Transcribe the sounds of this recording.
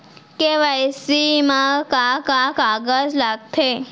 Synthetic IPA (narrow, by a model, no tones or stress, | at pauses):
keʋajsimakakakaɡət͡slaɡ̚t̪ʰe